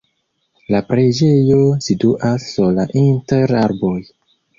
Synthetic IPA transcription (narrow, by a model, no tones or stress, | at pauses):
lapɾed͡ʒe̞jo̞siduʔasːulaʔinteɾaɾbo̞j